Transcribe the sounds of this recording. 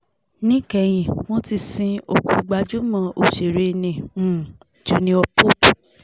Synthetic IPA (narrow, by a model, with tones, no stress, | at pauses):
nĩ˦kɛ˧˨j̃ĩ˧˨w̃ɔ̃˦ti˧sĩ˧o˧˨ku˧ɡ͡ba˧d͡ʒu˦mã˦˧ʔo˨ʃe˨ɾe˧nĩ˨ũ˦˨ | d͡ʒo˨˦nĩ˧˦ɔ˧po˦tu˨